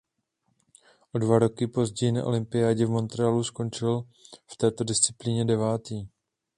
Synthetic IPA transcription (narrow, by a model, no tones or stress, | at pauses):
ʔo̞dvaɾo̞kɪpo̞zɟɛjɪna̰ʔo̞̰lɪmpɪjaːɟɛvmo̞nt̪ɾɛalusko̞nt͡ʃɪlft̪ɛːt̪o̞dɪst͡sɪpliɲɛdɛvaːt̪iː